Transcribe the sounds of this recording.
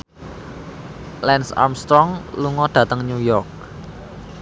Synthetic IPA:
lɛnsa̰mst̪ɾɔŋluŋɔɖ̥ä̤t̪əŋɲujɔrk̚

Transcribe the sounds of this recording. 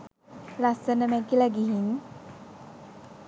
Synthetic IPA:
lasənəmɛkilaɡiɦiŋ

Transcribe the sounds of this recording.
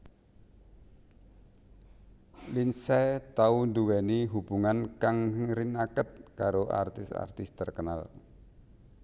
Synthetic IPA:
linsɛt̪aund̪uwɛniɦub̥uŋankaŋŋɾinakət̪̚kaɾoʔa̰rt̪ɪsa̰rt̪ɪst̪ərkəna̰l

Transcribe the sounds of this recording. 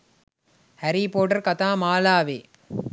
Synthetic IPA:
hæɾiːpoːʈɐɾkɐt̪aːmaːlaːʋeː

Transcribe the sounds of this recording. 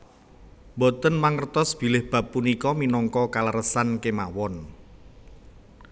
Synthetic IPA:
mbɔt̪ənmaŋərt̪ɔsb̥i̤lɪhb̥ä̤pːunikɔminɔŋkɔkaləɾəsankemawɔn

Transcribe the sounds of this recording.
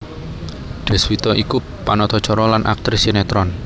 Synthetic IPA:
ɖ̪̥ɛ̤swit̪ɔʔiku | panɔt̪ɔ̥t͡ʃɔɾɔlanʔa̰k̚t̪ɾisinɛt̪ɾɔn

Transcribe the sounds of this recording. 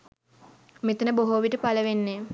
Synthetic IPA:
met̪ənəboɦoːʋiʈəpaləʋenːe

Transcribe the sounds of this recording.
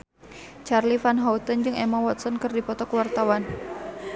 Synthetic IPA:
t͡ʃarlifanɦaut̪ənd͡ʒɨŋemawɔt̪̚sɔnkərdipɔt̪ɔkəwart̪awan

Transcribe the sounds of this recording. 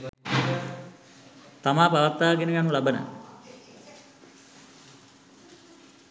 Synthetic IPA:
t̪amaːpaʋat̪ːaːkenəʋjanulabəna̰

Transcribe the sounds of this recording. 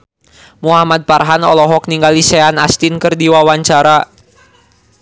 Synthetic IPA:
muɦamad̪̚parɦanɔlɔɦɔk̚niŋɡalisɛanast̪inkɨrdiwawaɲt͡ʃaɾa

